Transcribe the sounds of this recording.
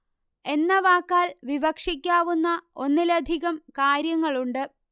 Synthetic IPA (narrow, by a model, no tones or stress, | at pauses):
e̞nːɐʋaːkːaːlʋiʋɐkʂikʲːaːʋunːɐo̞nːilɐd̪ʱiɣɐmkaːɾjɐŋːɐɭuɳɖɨ